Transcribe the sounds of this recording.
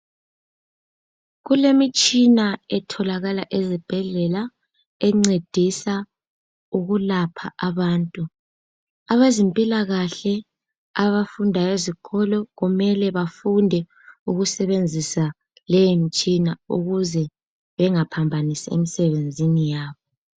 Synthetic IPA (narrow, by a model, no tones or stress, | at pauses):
ɣulemit͡ʃʼinaɛtʰɔlaɣalaʔɛzib̥ʱɛɮɛla | ɛŋ͡ǀed̥ʱisa | uɣulapʰaʔaβaːntʼu | aβezimpʼilaɣaɬɛ | aβafundʱajeziǃʰɔlɔɣumɛlɛβafundʱɛ | uɣusɛβend͡zʱisa | lɛjemit͡ʃʼinaṵɣuzɛ | βɛŋapʰambʱanisaḛmisɛβend͡zʱinijaːβɔ